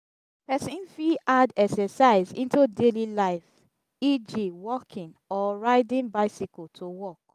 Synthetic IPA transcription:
pɛsĩnfiʔadɛksɛsaɪzḭ̃ntudelilaɪf | id͡ʒiwɔkʰĩn | ɔɹaɪdĩnbaɪsikɔtʰowɔk̚

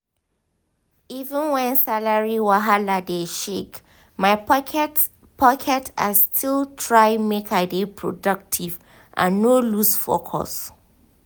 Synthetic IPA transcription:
ivə̃nwɛ̃nsalaɹiwaɦaladeʃek | maɪt | pʰɔkʰɛtʰa̰stʰilˠtʰɹaɪmekʰaɪdepʰɹo̰dʌk̚tʰiv | ʔã̰nːolusfo̰kʰɔ̰s

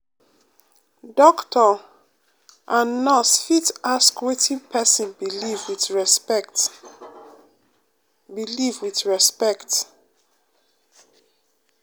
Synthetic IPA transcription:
dɔktʰɔ | ʔanɔsfitaskwetʰĩnpʰɛsĩnbiivwiθɹt | bilivwiθɹɛspɛkt

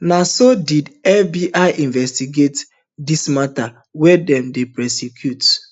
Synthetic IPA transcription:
nasodidɛfbiʔaɪʔĩnvɛstiɡet | dismata | wɛdɛ̃mdepɹɛsekʰjut

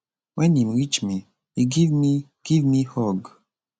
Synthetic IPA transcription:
wʔɛnĩmwit͡ʃmi | hiɡivmi | ɡ̥ivmihɔɡ

